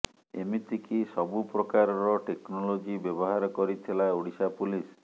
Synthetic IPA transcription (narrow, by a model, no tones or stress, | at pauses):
ḛmit̪ikisɔbupɾɔkaɾɔɾɔʈeknɔlod͡ʒibjɔbɔɦaɾɔkɔɾit̪ʰilauɽisapulis